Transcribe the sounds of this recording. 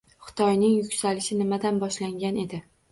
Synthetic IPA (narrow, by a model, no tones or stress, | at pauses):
χʊ̥t̪ʰɒjnɪŋjʊkʲsalɪʃɪnɪmad̪anbɒʃlaŋɡʲane̞d̪ɪ